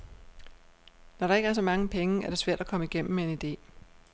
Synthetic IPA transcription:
nɒɾ̥ɑ̈eɡ̥əæɐs̬ɒ̽mɑ̈ŋəpʰeŋəʔæɐɾ̥e̝sʋæɐ̰d̥ækʰɒ̽məiɡ̥em̰m̩mee̝nid̥e̝̰ː

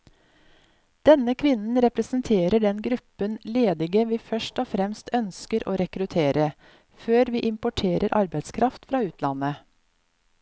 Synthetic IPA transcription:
d̪̥ɛnəkʰʋɪnn̩ɾɛpɾɛsn̩t̪ʰeːɾəɖɛnɡɾʉpːənleːd̪ɪɡəʋiːfœʂʈɔːfɾɛmst̪ʰœnskəɾʔo̰ːɾɛkɾʉt̪ʰeːɾə | føːɾʋiːʔɪmpʊʈʰeːɾʔəɾʔɑɾbæɪt̪skʰɾʔɑft̪fɾɑːʉːt̪ʰlɑnə

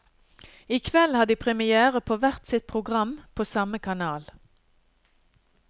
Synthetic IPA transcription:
ɪkʰʋɛlhɑːd̪iːpʰʁɛmɪæːʁəpʰoːʋæʁt̪sɪt̪̚pʰʁʊɡʁɑmpʰoːsɑməkʰɑnɑːl

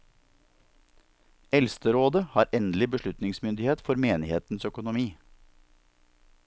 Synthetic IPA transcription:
ɛlst̪əɾoːd̪əhɑːɾɛnd̪l̩ɪbəʃlʉt̪nɪŋsmʏnd̪ɪheːt̪fɔɾmeːnɪheːt̪n̩sœkʊnʊmiː

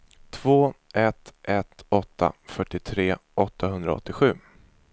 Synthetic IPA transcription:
t̪ʰv̥oːɛt̪ʔɛt̪ɔt̪ʰːa̰fœʈːɪt̪ʰɾeːɔt̪ʰːaɦɵnd̪ɾa̰ɔ̰t̪ːɪɧʉ̟ː

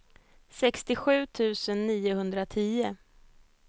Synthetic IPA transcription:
sɛkst̪ɪɧʉ̟ːt̪ʰʉ̟ːsənːiːʊhɵnd̪ɾat̪ʰiːʊ

